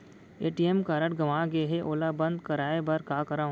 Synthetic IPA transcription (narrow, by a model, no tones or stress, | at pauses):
eːʈiemkaːɾəʈɡɐʋaːɡeɦeʔoːlabɐ̃nd̪kɐɾaːebɐɾkaːkɐɾãː